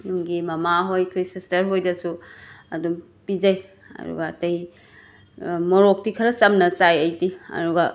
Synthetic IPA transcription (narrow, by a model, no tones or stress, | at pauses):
jumɡimɐmaɦojkʰojsistɐɾɦojdɐsuɐ̰dum | pid͡ʒɐj | ɐ̰dṵɡɐ̰ːtɐj | moɾok̚tikʰɐɾɐt͡ʃɐmnɐt͡ʃajɐjtiɐ̰duɡɐ